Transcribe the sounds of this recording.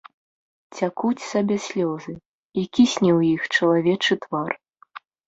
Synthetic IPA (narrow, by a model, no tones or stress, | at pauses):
t͡sʲakut͡sʲsabʲɛsʲlʲɔzɨ | ikʲisʲnʲɛwjixt͡ʂɐlˠavʲɛt͡ʂɨt̪var